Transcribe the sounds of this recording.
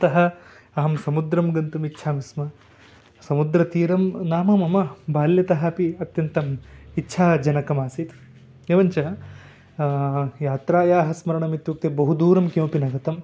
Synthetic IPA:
t̪ɐɦɐ | ɐɦɐmsɐmud̪ɾɐmɡɐnt̪umitːʃʰaːmismɐ | sɐmud̪ɾɐt̪iːɾɐmnaːmɐmɐmɐbʱaːljɐt̪ɐɦɐɐpiɐt̪jɐnt̪ɐmitːʃʰaːd͡ʒɐnɐkɐmaːsit̪ | eːʋɐɲt͡ʃɐ | jaːt̪ɾaːjaːɦɐsmɐɾɐɳɐmit̪juk̚t̪ebɐɦud̪uːɾɐmkjoːpinɐɡɐt̪ɐm

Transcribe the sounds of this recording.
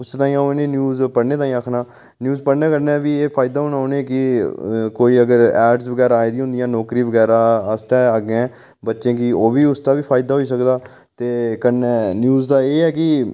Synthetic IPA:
ʊst̪ãːĩːanẽːnjuːzpəɽneːt̪ãːĩːəkʰnaː | njuːzpəɽneːkəɾneːʋiːeːpʰaːɪd̪aːɦonaoːneːkɪkoːiːəɡəɾɛːɖsʋəɡɛːɾaːeːd̪ĩɦʊ̃nd̪ɪjãːnɔːkɾĩːʋəɡɛːɾaːəsʈɛːaɡeɛ̃ː | bətːʃẽːkɪoːʋiːʊst̪aːʋiːpʰaːɪd̪aːɦoːiːs̬əkd̪aː | t̪eːkəɾnenjuːzd̪aːeːɛːk̬ɪ

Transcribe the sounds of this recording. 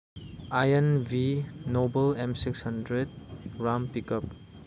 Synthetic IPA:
ajenvinobɐlemsikshɐndɾed̚ɡɾampikəp̚

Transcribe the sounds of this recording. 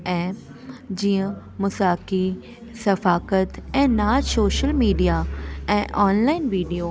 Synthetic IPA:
ɛ̃ːp | d͡ʑiːə̃ | mʊsaːki | sɐfaːkət̪ɛ̃ːnaːsoːʃəlmiːɖijaɛ̃ːʔɔːnlaːɪnʋiːɖijoː

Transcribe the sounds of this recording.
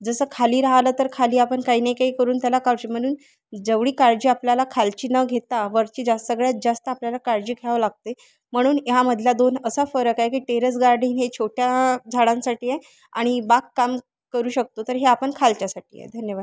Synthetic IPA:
d͡zəsəːkʰaliːɾaɦalət̪əɾkʰaliːapəɳkaɦiːnaikaɦiːkəɾuːnt̪jalakaɭt͡ɕim̤əɽ̃uːn | d͡zəʋɽiːkaɾd͡ʑiːapljalakʰalt͡ɕiːnəɡʱet̪aʋəɾt͡ɕiːd͡zasəɡɭjat̪̚d͡zast̪əapljalakaɾd͡ʑiːkʰaɭʋlaɡ̚t̪e | m̤əɽ̃uːnjaməd̪ʱljad̪onəsafəɾəkajkiːʈeɾəs̬ɡaɾɖĩːnɦet͡ɕʰoʈjad͡zʱaɽãnsaʈiːje | aɽ̃ibakːam | kəɾuːɕək̚t̪ot̪əɾɦeapəɳkʰalt͡ɕasaʈʰḭːjḛd̪ʱənjəʋad̪

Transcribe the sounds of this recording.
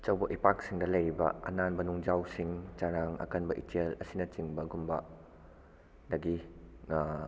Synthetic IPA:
t͡ʃɐwbɐʔipak̚siŋdɐlɐjɾibɐ̰ɐ̰nanbɐnuŋd͡ʒawsiŋt͡ʃaɾaŋɐ̰kɐnbɐʔitelɐsinɐt͡ʃiŋbɐɡumbɐ | dɐɡi

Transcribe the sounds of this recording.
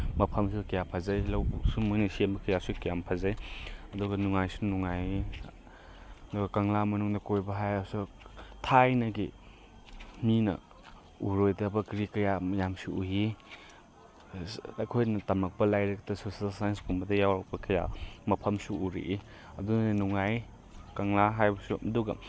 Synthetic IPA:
mɐpʰɐmsukɐjapʰɐzajlɐwbsumujnisiembɐkɐjasukijampʰɐzajɐduɡɐnuŋajsunuŋaj | ɐduɡɐkɐŋlamɐnuŋdɐkojbɐɦajasu | tʰajnɐɡi | minɐ̰ | uɾojdɐbɐkɾikɐjamɐjamsuuɦi | ɐjkʰojnɐtɐmɐk̚pɐlajɾɐk̚tɐsusalsajnskumbɐdɐjawɾɐk̚pɐkʰɐja̰mɐpʰɐmsuuɾḭʔi | ɐdunnuŋaj | kɐŋlaɦajbɐsuɐduɡɐ̰

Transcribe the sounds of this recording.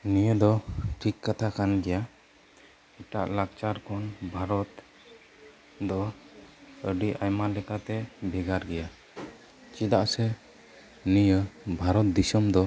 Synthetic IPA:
nijəd̪ɔʈʰikːat̪ʰakanɡɛja | ɛʈa̰ʔlakt͡ʃaɾkʰɔnbʱaɾɔt̪ | d̪ɔ | əɖiʔajmalɛkat̪ɛbʱɛɡaɾɡɛja | t͡ʃid̪aʔsɛ | nijəbʱaɾɔt̪̚d̪isɔmd̪ɔ

